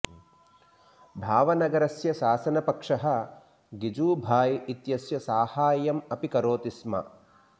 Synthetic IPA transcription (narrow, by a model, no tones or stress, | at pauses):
bʱaːʋɐnɐɡɐɾɐsjɐʃaːsɐnɐpɐkʂɐɦɐ̆ | ɡid͡ʒuːbʱaːjit̪jɐsjɐsaːhaːjɐmɐpikɐɾoːt̪ismɐ̰